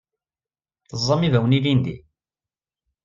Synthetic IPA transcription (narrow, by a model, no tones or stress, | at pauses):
θəzˤːɑmivæwənilind̪ḭ